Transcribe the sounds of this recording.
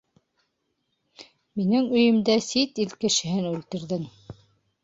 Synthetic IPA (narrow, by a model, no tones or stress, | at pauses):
minɘŋɵ̆jɘ̆md̪æsit̪ilkɘ̆ʃɘ̆ɦɘnʉlt̪ɘ̆ɾðɘŋ